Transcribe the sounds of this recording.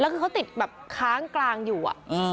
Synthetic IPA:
lɛː˦˥wkʰɯː˧kʰa˦˥wt̪i˨˩t̪̚bɛː˨˩p̚kʰaː˦˥ŋklaː˧ŋjuː˨˩ʔa̰˨˩ʔʔɯː˧

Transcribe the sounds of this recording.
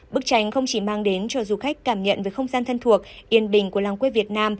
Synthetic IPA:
ɓɨ˦˥k̚t͡ɕa˨˦jŋ̟xə˧wŋ͡mt͡ɕi˧˩maː˧ŋɗe˨˦nt͡ɕɔ˧zu˨˩xa˦˥k̟̚kːaː˧˩mɲə̰˧˨nveː˨˦xə˧wŋ͡mzaː˧nt̪ʰə˧nt̪ʰu˨˩ək̚ʔi˨˩ənɓï˨˩ŋ̟ku˧˩əlaː˨˩ŋkwe˧vi˨˩ət̚naː˧m

